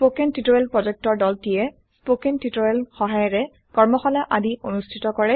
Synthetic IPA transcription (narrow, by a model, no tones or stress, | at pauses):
spokentitojelpɹɔzɛk̚tɔɹdɔltijɛ | spokentitojelxɔɦajɔɹɛ | kɔɹmɔxɔlɛʔadionustʰitɔkɔɹɛ